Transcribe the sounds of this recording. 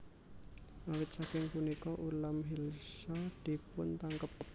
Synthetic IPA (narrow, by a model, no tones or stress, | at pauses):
ʔawɪt̪̚sakɪŋpunikɔʔulamɦilsad̪̥i̤pʊnt̪aŋkəp̚